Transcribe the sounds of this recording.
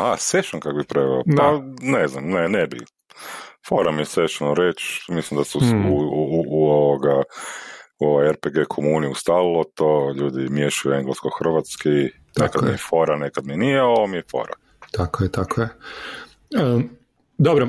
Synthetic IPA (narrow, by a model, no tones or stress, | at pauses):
haseʃaŋkakobipɾeʋɛ̰op̪aneznamnenebi | fo̞̰ɾamieseʃanoɾet͡ʃmislimd̪asuuuoʋoɡa | uoʋajeɾpeɡekʰomuniust̪alilˠot̪oʎuːd̪imjeʃajueŋɡlaskoxr̩ʋat̪ski | nekad̪miefo̞ɾanekad̪mienijeoʋomiefo̰ɾa̰ | t̪akojet̪akoje | d̪obɾo